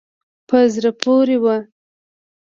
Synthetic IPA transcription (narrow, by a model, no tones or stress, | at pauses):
pəzɾapoɾewa